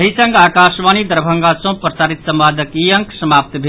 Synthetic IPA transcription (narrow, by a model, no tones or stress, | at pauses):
ɦisə̃ŋɡaːkasʋaːnid̪əɾbʱəŋɡasõpɾəsaːɾit̪səmʋaːd̪ʱəkiəŋksəmaːp̚t̪bʱe